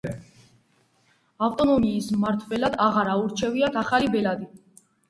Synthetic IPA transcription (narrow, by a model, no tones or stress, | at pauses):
aft̪ʼɔnɔmiːsmaɾt̪ʰvɛlad̪aʁaɾauɾt͡ʃʰɛviat̪ʰaχalibɛlad̪i